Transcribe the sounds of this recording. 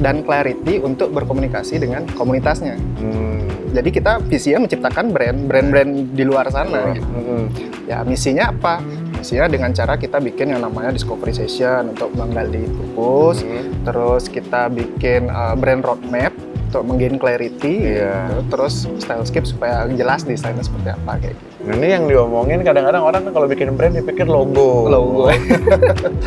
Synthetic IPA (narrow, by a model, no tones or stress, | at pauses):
danklaɾit̪iunt̪ʊk̚bərkomunikasidəŋankomunit̪asɲa | d͡ʒadikit̪afisiɲaməɲt͡ʃip̚t̪akanbɾɛnbɾɛnbɾɛndiluars̬ana | ja̰misiɲaːpa | misiɲadəŋant͡ʃaɾakit̪abikɪnjaŋnamaɲadiskofəɾisesiənunt̪ʊk̚maŋɡalditupʊst̪əɾʊskit̪abikɪnəbɾɛnrot̪̚mɛp̚ut̪ʊk̚məŋɡenkleɾit̪iat̪əɾʊsst̪ajlskɪp̚su̥pajad͡ʒəlasdisajnasə̥pərt̪ia̰paka̰ja̰ | ɡanijaŋdiomoŋɪnkadaŋkadaŋoɾaŋkalobikɪnbɾɛndipikɪrloɡoloɡo